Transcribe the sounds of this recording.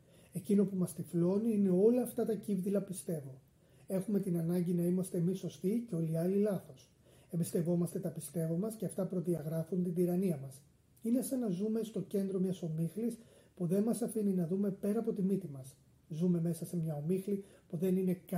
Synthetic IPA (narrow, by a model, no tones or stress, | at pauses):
e̞cino̞pumɐst̪iflo̞niine̞o̞lɐːft̪ɐt̪ɐcivðilɐpist̪e̞vo̞ | e̞xume̞t̪inɐnɐɲɟinɐimɐst̪e̞ːmiso̞st̪iceo̞liɐlilɐθo̞s | e̞mbist̪e̞vo̞mɐst̪e̞t̪ɐpist̪e̞vomɐsce̞ɐft̪ɐpɾo̞ðiɐɣɾɐfunt̪iniɾɐniɐmɐs | ine̞sɐnɐzume̞st̪o̞ce̞nd̪ɾo̞mɲɐso̞mixlis | puðe̞nmɐsɐfininɐðume̞pe̞ɾɐpo̞t̪imit̪imɐs | zume̞me̞sɐse̞mɲɐo̞mixlipuðe̞nine̞k